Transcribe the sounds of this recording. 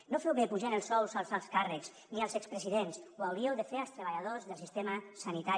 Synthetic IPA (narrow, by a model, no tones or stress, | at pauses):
nofɛwβepuʒanəlˠsɔwsalˠzalˠskarəkz | nialˠzɛkspɾeziðenswawɾiewðefealˠst̪ɾeβaʎaðozðəlˠsist̪emasanit̪ai